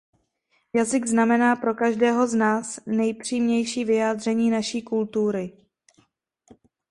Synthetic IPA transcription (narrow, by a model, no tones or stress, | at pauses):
jazɪɡznamɛnaːpɾo̞kaʒdɛːɦo̞znaːsnɛjpr̝̥iːmɲɛjʃiːvɪjaːd̪r̝ɛɲiːnaʃiːkult̪uɾɪ